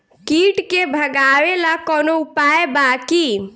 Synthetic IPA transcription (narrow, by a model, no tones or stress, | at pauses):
kiʈkebʱəɡaʋelakɔnoupaebaki